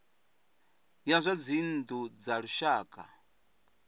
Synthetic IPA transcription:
jazʷad͡zind̪ud͡zaɺuʃaːkʼa̰

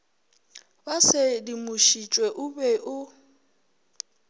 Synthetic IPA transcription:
basɪdimʊʃit͡ʃʼweʔʊbɛʔʊ

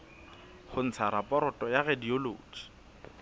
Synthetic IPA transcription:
χʊn̩t͡sʰaɾapʼɔɾɔtʼɔjaɣedioloːd͡ʒi̥

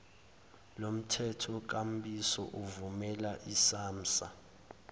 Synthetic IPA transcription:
lom̩tʰɛtʰɔk̬am̩bisɔ̰ʔuvumɛlaʔisaːm̩sa

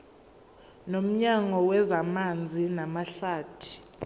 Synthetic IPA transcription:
nom̩ɲaŋɔwɛzamand͡zʱinamaɬaːtʰi̥

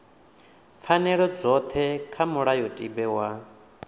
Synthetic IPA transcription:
fʰanɛɺɔd͡zɔt̪ʰɛkʰamuɺajɔtʼibɛwa

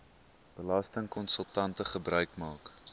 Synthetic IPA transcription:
b̥əlɐstəŋkɔnsəlˠtɐntəχəbrœɥkmɑːk

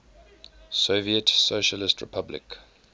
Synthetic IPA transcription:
soviətsoʃəlɪstɹɪ̰pʰablɪ̰k

